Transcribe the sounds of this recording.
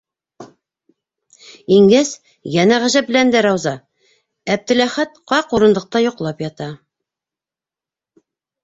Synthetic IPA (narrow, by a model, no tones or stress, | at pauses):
iŋɡæs | jænæʁæʑæpbɘ̆lænd̪æɾɑwzɑ | æb̚d̪ɘ̆læχæt̪qɑquɾɤ̆nd̪ˠɤ̆q̚t̪ɑjŏqlˠɑpjɑt̪ɑ